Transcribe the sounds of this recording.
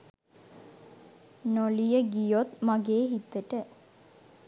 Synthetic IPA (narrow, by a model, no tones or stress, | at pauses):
nolijəɡijot̪maɡeːɦit̪ːəʈə